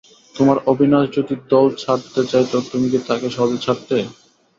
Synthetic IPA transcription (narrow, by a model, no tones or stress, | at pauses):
t̪omaɾobʱinatd͡ʑot̪iɾ̚d̪ɔlt͡ɕʰaʈt̪et͡ɕaet̪ot̪umiket̪akeʃɔbet͡ɕʰaʈt̪e